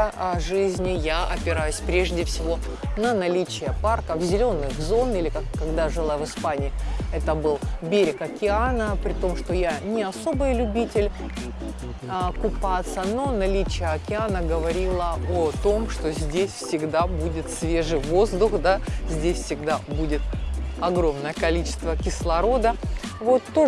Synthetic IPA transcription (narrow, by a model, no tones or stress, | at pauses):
ʐɨzʲnʲɪjaɐpʲɪɾajʊsʲpɾʲe̞ʐdʲɪfsʲɪvo̞ | nənɐlʲit͡ɕɪjəparkəvzʲɪlʲo̞nːɨxzo̞nilʲɪkakkːɐɡd̪aʐɨlˠajvɨspanʲɪːɛt̪əbɨlˠbʲeɾʲɪkɐkʲɪanəpɾʲɪt̪o̞mʂt̪o̞janʲɪɐso̞bɨjlʲʊbʲitʲɪlʲ | kʊpat̪səno̞nɐlʲit͡ɕɪjəɐkʲɪanəɡəvɐɾʲilˠəot̪o̞mʂt̪o̞zʲdʲesʲfsʲɪɡd̪abudʲɪt̪svʲeʐɨjvo̞zd̪ʊxd̪azʲdʲesʲfsʲɪɡd̪abudʲɪt̪ɐɡɾo̞mnəjəkɐlʲit͡ɕɪ̥st̪vəkʲɪslˠɐɾo̞d̪əvo̞t̪ːo